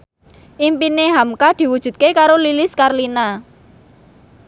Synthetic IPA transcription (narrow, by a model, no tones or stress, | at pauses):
ʔimpineɦamkad̪̥i̤wud̥ʒ̥ṳt̪̚kekaɾolilɪskarlina